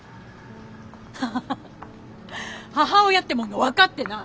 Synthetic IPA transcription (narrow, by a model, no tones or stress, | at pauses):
h | haɦao̞jat̪ːe̞mõŋɡaβakat̪ːe̞na